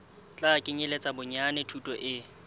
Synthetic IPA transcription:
t͡ɬʼakʼɪɲɪlet͡sʼabʊɲanɪtʰutʼɔʔɪ

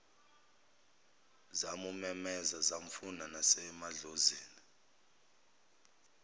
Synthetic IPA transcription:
zamumɛmɛzazaɱ̩funanasɛmaɮoziːni

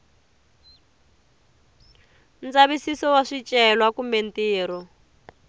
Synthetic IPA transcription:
nt͡saβisisɔwaʂit͡ʃʼɛlwakumben̩tiːɾɔ

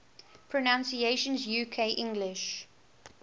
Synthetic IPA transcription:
pʰɹɔnãnsieʃə̃nzjuːkʰeɪʔɪ̃ŋɡlɪʃ

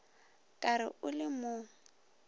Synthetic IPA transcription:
kʼaɾɪ̰ʊlɪmʊ

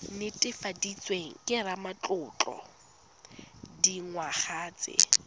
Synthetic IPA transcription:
nɪtʼɪfadit͡sʼweŋ̩kʼɪramat͡ɬʼʊːt͡ɬʼɔ̰ | diŋwaχaːt͡sʼɪ̰

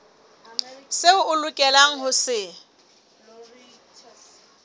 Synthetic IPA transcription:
sɪʊʊlʊkʼɛlaŋ̩ɦʊsɪ

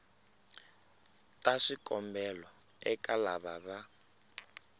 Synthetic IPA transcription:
tʼaʂikʼɔmbɛlɔ | ɛkʼalaβaβa

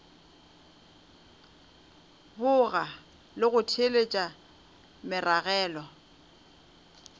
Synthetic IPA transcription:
bʊɣa | lɪɣʊtʰelet͡ʃʼa | mɪraɣɛːlɔ

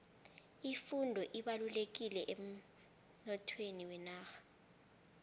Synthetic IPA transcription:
ifundʱɔʔiɓalulek̬ilɛʔem̩ | nɔtʰweniwɛnaːxḁ

